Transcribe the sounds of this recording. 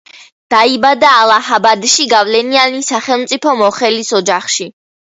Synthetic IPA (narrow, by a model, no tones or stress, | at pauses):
d̪̥aibad̪aːlˠahabad̪ʃiɡavlɛnianisaχɛlˠmt̪sʼipʰɔmɔχɛlisɔd͡ʒaχʃi